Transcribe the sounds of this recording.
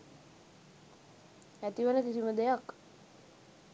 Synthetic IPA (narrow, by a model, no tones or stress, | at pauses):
æt̪iʋənəkisiməd̪ejak